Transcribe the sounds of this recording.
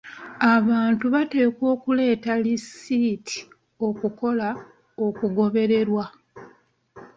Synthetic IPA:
aβaːntuβate̞ːkwo̞ːkule̞ːtalisiːtʰi̥ | o̞kuko̞la | okuɡo̞βe̞ɾe̞ɾwa

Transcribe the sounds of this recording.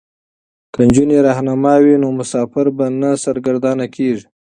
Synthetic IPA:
kand͡ʒuneɾɑhnamɑwinomʊsɑfɪɾbanasaɾɡaɾd̪ɑnakʰeʐi̥

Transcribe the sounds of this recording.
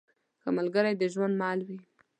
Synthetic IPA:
kəmalɡəɾajd̪əʒwand̪mɑlwi

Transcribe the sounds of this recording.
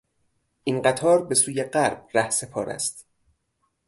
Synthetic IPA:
ʔinɢæt̪ʰɒːɾbe̞suːjeɢæɾb̥̚ræhse̞pʰɒːɾæ̰st̪

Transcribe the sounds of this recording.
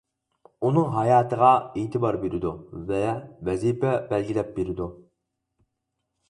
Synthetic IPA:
unɨŋɦɑjɑːt̪ʰəʁɑeːt̪ʰɪbɑɾbeɾɪd̪uvɛvɛzipʰɛbɛlɡʲilɛp̚beɾɪd̪u

